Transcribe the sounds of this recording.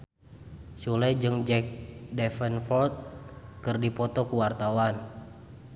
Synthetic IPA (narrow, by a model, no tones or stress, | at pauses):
sulɛjd͡ʒɨŋd͡ʒɛk̚dɛfɛnfɔlt̪̚kɨrdipɔt̪ɔkuwart̪awan